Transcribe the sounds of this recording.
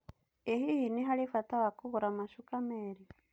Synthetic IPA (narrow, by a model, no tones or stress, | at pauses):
ehihiniɦalifatawakuɣuɾamaʃukameːɾi